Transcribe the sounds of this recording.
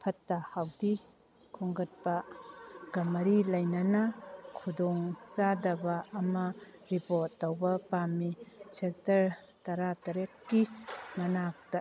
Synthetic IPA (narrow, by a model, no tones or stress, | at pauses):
pʰɐtːɐhawdi | kʰuŋɡɐt̚pɐ | ɡɐmɐɾilɐjnɐnɐkʰudɔŋt͡ʃadɐbɐːmɐɾipoɾtːɐwbɐpamisek̚tɐɾ | tɐɾatɐɾekːiŋɐnak̚tɐ